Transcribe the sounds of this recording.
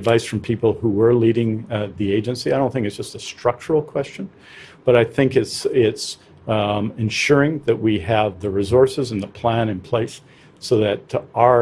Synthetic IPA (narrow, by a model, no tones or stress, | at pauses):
dvaɪsfɹʌ̃mpʰipl̩ˠhuwə˞liɾɪ̃ŋðieɪd͡ʒɨ̃nsiaɪɾõʊ̃nθɪ̃ŋkɨtsd̥ʒ̥ʌstɨstɹ̥ʌk̚t͡ʃə˞l̩ˠkʰw̥ɛst͡ʃɨ̃n | b̥ʌɾaɪθɪ̃ŋkɨtsɪts | ɨ̃nʃʊɹɪ̃ŋðɨt̚wiɨvðɨɹizɔɹsɨzɨ̃nðəpʰl̥æ̃nɨ̃npʰl̥eɪsː | oʊðɨɾ